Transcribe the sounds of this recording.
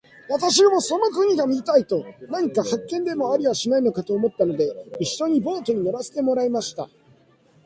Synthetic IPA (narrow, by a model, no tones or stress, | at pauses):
βat̪aɕ̬iomoso̞nokɯ̟ɲ̟iɡamʲiit̪ait̪o̞naɲ̟ikahakːẽ̞nd̪e̞mo̞aɾʲiβaɕinaino̞kat̪o̞ːmo̞t̪ːano̞d̪e̞iɕːo̞ɲ̟ibo̞ːt̪o̞ɲ̟ino̞ɾaset̪e̞mo̞ɾaimaɕi̥t̪a̰